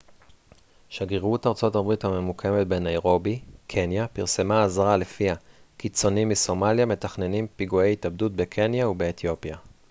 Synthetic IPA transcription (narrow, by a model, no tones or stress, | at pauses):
ʃaɡeʁutaʁt͡so̞tabʁithame̞mukʰe̞met̚be̞naeʁo̞bikʰe̞njapiʁse̞maːzʁale̞fiakit͡so̞nimːiso̞maljame̞taχne̞nimpiɡuejitabdut̚bekʰe̞njaube̞ːt̪jo̞pja